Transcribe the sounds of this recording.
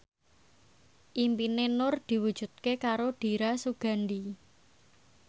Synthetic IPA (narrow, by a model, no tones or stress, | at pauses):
ʔimpinenʊrd̪̥i̤wud̥ʒ̥ṳt̪̚kekaɾoɖ̥i̤ɾasuɡ̥a̤ndi